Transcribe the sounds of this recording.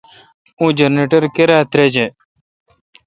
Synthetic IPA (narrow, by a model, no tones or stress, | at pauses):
ũd͡ʒəneʈəɾkeɾaːt̪ɾed͡ʒe